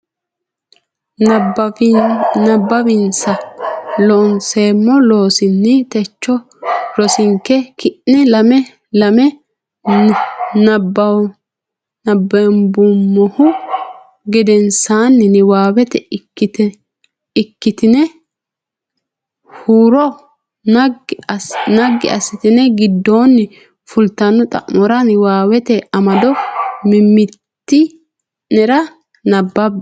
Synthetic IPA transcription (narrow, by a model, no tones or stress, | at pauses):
nɐbːɐβɪnsɐlɔnseːmːɔloːsɪnːɪt̪ɛt͡ʃːɔ | ɾɔsɪŋkːɛkɪʔnɛlɐmɛ | lɐmɛ | nɐbɐ | nɐbːɛmbʊmːɔhʊ | ɡɪd̪ɛnsaːnːɪnɪwaːwɛt̪ɛkːɪt̪ɛ | ɪkːɪt̪ɪnɛ | huːɾɔ | nɐɡːɪ̰ʔɐ̰sɪt̪ɪnɛɡɪd̪ːoːnːɪ | fʊlt̪ɐnːɔt̪ʼɐ̰ʔmɔɾɐnɪwaːwɛt̪ɛɐmɐd̪ɔmɪmːɪtt̪ːɪ | nɛɾɐ | nɐbːɐb